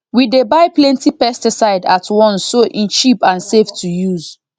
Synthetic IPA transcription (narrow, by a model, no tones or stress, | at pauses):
widebaɪplɛ̃ntipɛstisaɪdatʰwɔ̃nsːoʔĩnt͡ʃipãnseftʰujuz